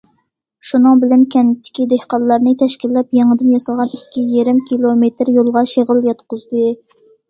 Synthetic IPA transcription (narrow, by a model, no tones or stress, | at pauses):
ʃunɨŋbɪlɛnkʲʰɛnt̪ʰːɪ̥kʲid̪ehqɑllːɑɾnɨt̪ʰɛʃkʲilːɛpjeŋəd̪ɪnjɑsɨlˠʁɑnikʲːijeɾɪmkʲʰilˠomet̪ɾjolˠʁɑʃeʁəljɑt̪qʊzd̪ɨ